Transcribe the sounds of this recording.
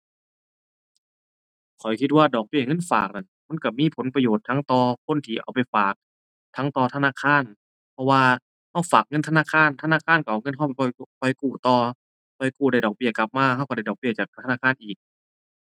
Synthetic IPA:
kʰɔ˨˩jkʰi˧t̪̚waː˧˩dɔː˨˩k̚bi˧˩˨ŋɤ˧˥˨nfa̰ː˨˩k̚na˧˩nma˧˥˨nka˧˩miː˧˥˨pʰo˨˦npa˧joː˨˩t̪ʰːa˧˥ŋt̪ɔː˧kʰo˧˥˨nt̪ʰiː˧˩˨ʔa˨˩wpa˨jfaː˨˩k̚ | t̪ʰa˧˥ŋt̪ɔː˧t̪ʰa˧naː˧˨kʰaː˧˥˨n | pʰɔ˧waː˧ | ha˧˥˩wfaː˨˩k̚ŋɤ˧˨t̪ʰnaː˧˥˨kʰaː˧˥˨nt̪ʰa˧naː˧˥˨kʰaː˧˥˨nka˧˩ʔwŋɤ˧˥˨nɦa˧˩˨wpa˨˩jpʰɔ˧˩jkʰɔ˧˩jkuː˧˩t̪ɔː˧ | kʰɔ˧˩jkuː˧˩da˧˩jdɔː˨˩bi˧˩ɐka˧˩p̚maː˧˩ha˧˩wka˧˩da˧˩dɔː˨˩k̚bi˧˩ɐt͡ɕaː˨˩k̚t̪ʰa˧naː˧˥˩kʰaː˧˥˨nʔiː˨˩k̚

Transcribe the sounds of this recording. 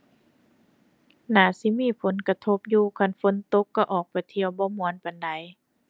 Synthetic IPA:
naː˨˩˦si˧˦miː˧˥˨pʰo˨˦nka˧t̪ʰo˧˦p̚juː˧˩kʰa˧˨nfo˧˦nt̪o˧˦kːa˧˩ʔɔː˨˩k̚pa˨˩jt̪ʰi˧˨əwbɔː˧˦mu˧˦ə˦˨npa˨nda˨˦j

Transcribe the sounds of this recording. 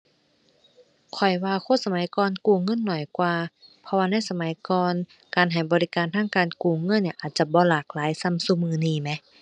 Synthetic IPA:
kʰɔ˨˩jwaː˧kʰo˧˥˨sa˧ma˨˦jkɔː˧˨nkuː˧˩ŋɤ˧˥˨nːɔ˨˩jkwaː˧pʰɔ˧waː˧na˧˥˨jsa˧ma˨˦jkɔː˧n | kaː˨˩nɦa˨˩jbɔː˨li˧kaː˨˩nt̪ʰaː˧˥ŋkaː˨˩nkuː˧˩ŋɤ˧˥˨nːi˧˩ʔaː˨˩t̪̚t͡ɕa˧˦bɔː˧˦laː˨˩k̚laː˨˦jsa˧˥˨msu˧˨mɯː˧˩niː˧˩mɛ˧˦

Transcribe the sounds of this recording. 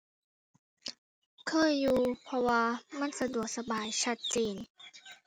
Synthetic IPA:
kʰɤː˧˥˨jːuː˧pʰɔ˧waː˧ma˧˥˨nsa˧du˨˩ək̚sa˧baː˨˩jt͡ɕʰa˧˩t̪̚t͡ɕiː˨˩n

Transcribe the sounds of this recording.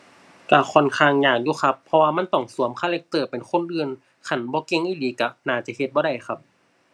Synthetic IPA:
ka˧˩kʰɔ˧˩˨nkʰaː˧˩ŋɲaː˧˩ŋjuː˧˦xʰa˧pʰːɔ˧waː˧ma˧˥˨nt̪ɔ˧˩ŋsu˨˦əmkʰaː˧˥˨le˧k̚t̪ɤː˧˩pe˨nkʰo˧˥˨nʔɯː˧˨n | kʰa˧˩˨nbɔː˧˦ke˧˨ŋʔiː˧˥˨liː˨˦ka˧˩naː˧˩t͡ɕa˧˩he˧t̪̚bɔː˧˦ɾa˧˩jxa˧p̚

